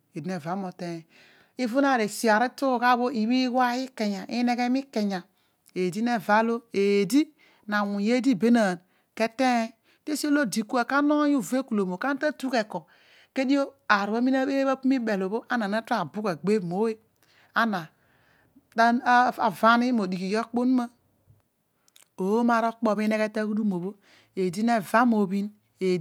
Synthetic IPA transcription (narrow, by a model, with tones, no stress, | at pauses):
e˨dne˨va˨˦mo˨te˨ | i˦vu˦na˦˨ɾe˨si˨a˨ɾi˦tu˦˨ka˦bo˦i˨wi˦wa˦i˦ke˨ɲa˨ʔi˦ne˦ɡe˦mi˦ke˨ɲa˨ | e˨di˦ne˦˨va˦lo˦e˨di˦ | na˨wu˨je˦di˦˨be˦na˨n | ke˦te˦ | te˦so˦lo˦di˨ku˦e˨ka˦no˦ju˦˨ve˦ku˨lo˨mo˨ka˦n˦ta˦tu˦ke˨ko˨ | ke˦di˦o˦a˨ɾu˨a˦mi˦na˦e˦ba˦pu˦mi˦be˨lo˨bo˦ʔa˦na˨na˦ta˨bu˦ke˨ɡ͡be˦˨mo˦we˦ | a˦na˨ | da˦a˨va˦ni˦mo˨di˨ki˨jo˦k͡po˦n˦ma˦ | o˨˦ma˦˨ɾo˦k͡po˨βi˦ne˦ke˦te˦ku˦du˦mo˨bo˦ | e˨di˦ne˦va˦mo˨bi˦n | e˨